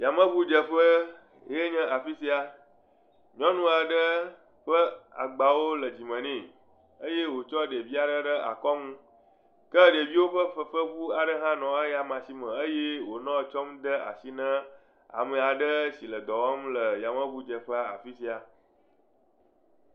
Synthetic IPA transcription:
ja˨mə̃˦βu˦d͡ʒə˨ɸə˦ | je˦ɲə̃˦ʔa˨fi˦si˦a˨ | ɲɔ̃˦nũ˦a˨ɖə˦ | ɸə˦a̰˨ɡ͡ba˨wo˦lə˨d͡ʑi˨mə̃˨nĩ˦˨ | ə˦je˦wo˨t͡ʃɔ˦ɖe˨vi˦a˨ɖə˦ɖə˦a̰˨kɔ˦ŋũ˦ | kə˦ɖe˨vi˦wo˦ɸə˦ə˦ɸə˦βu˦a˨ɖə˦ɦã˦nɔ̃˨ə˦ja˨mã˨si˦mə̃˨ə˦je˦wo˨nɔ̃˦˨t͡ʃɔ˦md̪ə˦a̰˨si˦nə̃˦ | a̰˨mə˨a˨ɖə˦si˨lə˨d̪ɔ˨wɔ˦mlə˨ja˨mə̃˦bu˦d͡ʒə˨ɸə˦a̰˨fi˦si˦a˨

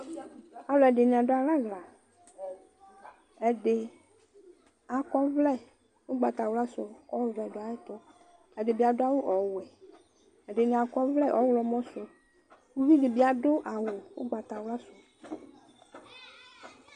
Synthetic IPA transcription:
a˨˦lɔ˨ɛ˨dɪ˨nɪ̃˨a˨dʊ˨˦a˨la˦ɣla˨ | ɛ˨dɪ˨ | a˨kɔ˦vlɛ˦ | wʊ˦ɡ͡ba˨t̪a˨wa˦sʊ˨kɔ˦vlɛ˨dʊ˨a˨jɪ˦t̪ʊ˦ | ɛ˨dɪ˨bi˨˦a˨dʊ˦a˨wʊ˦ʔɔ˨wɛ˨ | ɛ˨ɖɪ˨nɪ̃˨a˨kɔ˦vlɛ˦˨ʔɔ˨˦wlɔ˨mɔ̃˦sʊ˨ | wu˦vi˦dɪ˨bi˦a˨dʊ˦ʔa˨wʊ˨wʊ̰˦ɡ͡ba˨t̪a˨wla˦sʊ˨

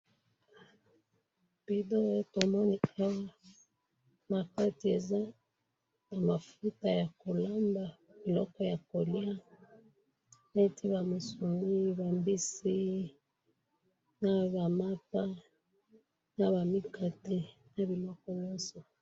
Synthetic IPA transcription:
pi˨do˦to˨mɔ˦ni˨a˦wa˦ | ma˨ka˦ti˨e˨za˦ | na˨ma˨fu˦ta˨ja˨ko˨la˦mba˨mi˨lɔ˦kɔ˦ja˨ko˨lja˦ | ne˦ti˦βa˨mo˨su˨mi˦ba˨mbi˦si˦ | na˦βa˨ma˦pa˦ | na˦˨βa˨mi˦ka˦te˦na˨bi˨lɔ˦kɔ˦ɲɔ˦nsɔ˨

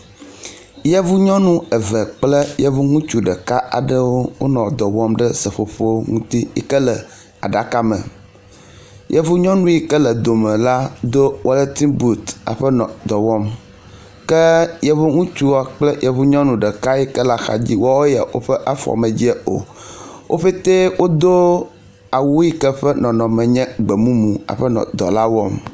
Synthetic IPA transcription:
jɛ˦vu˦ɲɔ̃˦nũ˦ɛ˨və˨k͡plə˦jɛ˦vu˦ŋũ˦t͡ʃu˦ɖə˨ka˦ʔa̰˨ɖə˦wo˦wo˦nɔ̃˨d̪ɔ˨wɔ˦mɖə˦sə˨ɸo˦ɸo˦ŋũ˦t̪i˦jɛ̰˦kə˦lə˨ | a̰˨ɖa˨ka˦mə̰̃˨ | jʔɛ˦vu˦ɲɔ̃˦nũ˦ji˦kə˦lə˨d̪o˨mə̃˨la˦d̪o˦wʔɔ˦lə˦t̪ĩ˦bu˦t̪a̰˨ɸə˦nɔ̃˨d̪ɔ˨wɔ˦m | kɛ˦jɛ˦βo˦ŋũ˦t͡ʃu˦wɔ˨k͡plɛ˦jɛ˨vu˦ɲɔ̃˦nũ˨ɖɛ˨ka˦jɛ˦kɛ˦la˦xa̰˨d͡ʑi˦wɔ˦wo˦ja̰˨wo̰˦ɸɛ˦ʔa˦fɔ̰˨mɛ̃˨d͡ʑi˦ɛ˦o̰˨wʔo̰˦ɸe˦t̪e˦wo˦d̪o˦ | a˨wu˦ji˦kɛ˦ɸɛ˦nɔ̃˨nɔ̃˨mɛ̃˨ɲɛ̃˦ɡ͡bɛ˨mũ˦mũ˨a̰˨ɸɛ˦nɔ̰̃˨d̪ɔ̰˨la˦wɔ˦m

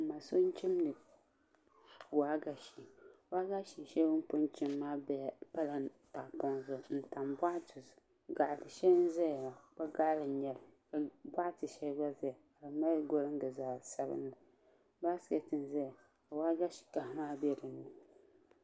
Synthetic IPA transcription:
ma˨so˦n˦t͡ʃi˦mnɨ˨ | waː˦ɡa˦˨ʃi˨wa˦ɡa˦ʃi˨ʃɛ˦bʊ˦m˦pʊ˦nt͡ʃɪ˦mːaː˦bɛ˨pa˦la˨ | ta˨pɔ˦ŋzʊ˨n̩˨ta˨mbʷa˦ʔtɨ˨ | ɡa˨tɨ˨ʃɛ˦n˦zɛ˦jla˨ba˦ɡa˦lɨ˨ɲɛ˨lka˨bʷa˦ʔtɨ˨ʃɛ˦ɡa˦zɛ˦˨a˨lɨ˨ma˦ɡo˦lɨ˦ŋ˦ɡɨ˨zaː˨sa˦bɨ̰˦n˦la˨ | ba˦sɛ˨˦tɨ˨n˨zɛ˦ja˨ | ka˨wa˦ɡa˦ʃi̥˨ka˨hmaː˦bɛ˦˨dɨ˨nːɨ˨

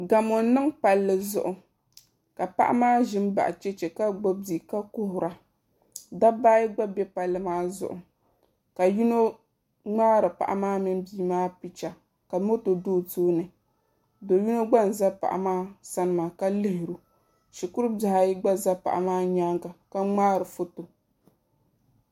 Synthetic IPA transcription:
ɡa˨mɔ˨˦nɨ˦ŋpa˨lːɨ˨zʊ̰˨ʔʊ˨ | ka˨pa̰˦ʔa̰˦maː˦ʒɪ˦m˦ba̰˨ʔa˨t͡ʃɛ˦t͡ʃɛ˨ka˦ɡ͡bo˦di˨ka˦kʊ˦hʊ˨ɾa˨ | da˦baː˦ji˦ɡ͡ba˦bɛ˦pa˨lːɨ˨maː˦zʊ̰˨ʔʊ˨ | ka˨ju˦no˦ | ŋ͡maː˦ɾɨ˨pa̰˨ʔa̰˨maː˦mɨ˦n˦biː˦maː˦pi˨t͡ʃa˨ | ka˨mo˦to˨doː˦toː˦nɨ˨ | do˨ju˦no˦ɡ͡ba˦n̩˨za˦pa̰˨ʔa̰˨maː˦sa˦nɨ˨ma˨ka˦lɪ˦hɪ˨ɾu˨ | ʃi˨ku˦ɾɨ˦da˨ha˨˦i˦ɡ͡ba˦za˦pa̰˨ʔa˨maː˦ɲa˦ŋɡa˨ka˦ŋ͡maː˦ɾɨ˨fo˦to˨

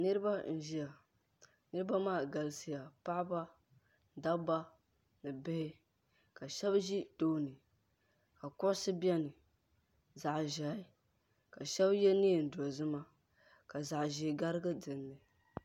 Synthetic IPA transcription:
nɨ˦ɾɨ˦ba˦n̩˦ʒi˦ja˨ | nɨ˦ɾɨ˦ba˦maː˦˨ɡa˨lsi˨ja˨pa˦ʔba˦˨ | da˦ba˦ | nɨ˨bɪ˦hɪ˦ | ka˨ʃɛ˦bʒi˦d̥o˦nɨ˨ | ka˨kʊ˦ʔʊ˦sɨ˦bi˦ɛ˦nɨ˨ | za˨ʔʒa˨i˦ | ka˨ʃɛ˦bjɛ˦ni˦˨n̩˨dɔ˨zɨ˦ma˦ | ka˨za˨ʔʒi˨ɡa˦ɾɨ˦ɡɨ˦dɨ˨nːɨ˨

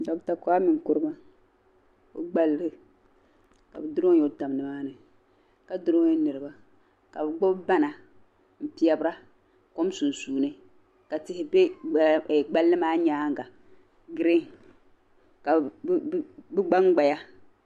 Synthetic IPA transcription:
dɔ˨bta˨kɔ˦a˦mɨ˨ŋ˨kʊ˦ɾɨ˦ba˦ | o̰˦ɡ͡ba˦lːɨ˦ | ka̰˨bɨ˨dʊ˦ɾo˦jo˦ta˨m˨nɨ˨maː˦nɨ˨ | ka˨dʊ˦ɾo˦ɛ˦nɨ˨ɾɨ˨ba˦ | ka˨bɨ˨ɡ͡bɔ˦bba˦na˨ | m̩˨pi˨˦a˨bɨ˦ɾa˦ | ko˦m˦su˨n˨suː˨nɨ˦ | ka˨tɪ˨˦hɪ˦be˦˨ | ɡ͡ba˦lːɨ˦maː˦ɲaː˦ŋ˨ɡa˨ | ɡɨ˦ɾɪ˦ŋ | ka˨˦ | bɨ˦ɡ͡ba˦ŋɡ͡ba˨ja˦

